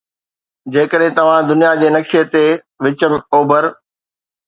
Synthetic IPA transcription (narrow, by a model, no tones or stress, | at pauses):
d͡ʑeːkəɗɦẽt̪ɐʋ̤ãd̪ʊnijad͡ʑeːnɐkʃet̪e | ʋɪt͡ɕəmoːbəɾ